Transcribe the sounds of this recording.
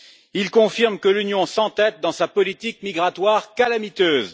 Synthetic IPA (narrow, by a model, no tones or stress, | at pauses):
ilkɔ̃fiʁmkəlynjɔ̃sɑ̃t̪ɛt̪̚d̪ɑ̃sapɔlit̪ik̚miɡʁat̪waʁkalamit̪øːz